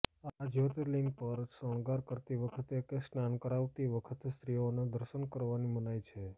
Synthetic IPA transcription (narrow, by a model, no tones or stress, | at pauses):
ad͡ʒot̪əliŋɡpəɾsəɳ̃ɡaɾkəɾt̪iʋəkʰət̪ekesnankəɾaʋt̪iʋəkʰət̪est̪ɾioned̪əɾʃənkəɾʋanimənajt͡ʃʰe